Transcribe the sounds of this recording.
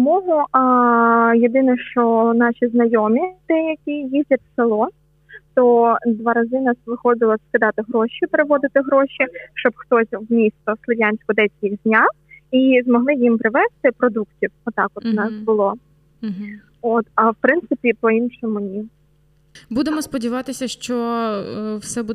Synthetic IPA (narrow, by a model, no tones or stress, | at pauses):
mɔɦʊ | jed̪ɪnɛʃt͡ʃɔnɑʃʲiznɐjɔmʲit̪ɪjɐkʲijizʲdʲɐt̪ʲselˠɔ | t̪ɔd̪ʋɑɾɐzɪnɑsʋɪxɔd̪ɪlˠɐskɪd̪ɑt̪ɪɦɾɔʃʲipɾɪʋɔd̪ɪt̪ɪɦɾɔʃʲiʃt͡ʃɔbxt̪ɔsʲwmʲist̪ɔslˠɪlʲjanʲsʲkɔd̪ɛt͡sʲkʲixdʲnʲa | izmɔɦlˠɪjimpɾɪʋɛst̪ɪpɾɔd̪uktʲiwɔt̪ɑkɔt̪nɑsbʊlˠɔ | ɔt̪ɐwpɾɪnt̪sɪpʲipɔinʃɔmʊnʲi | bud̪emɔspɔdʲiʋɑt̪ɪsʲɐʃt͡ʃɔ | wsɛbu